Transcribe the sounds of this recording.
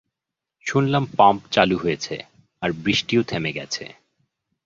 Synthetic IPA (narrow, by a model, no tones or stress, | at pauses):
ʃunlampampt͡ɕaluɦojet͡ɕʰḛ | aɾbɾiʃʈiot̪ʰemeɡɛ̰t͡ɕʰḛ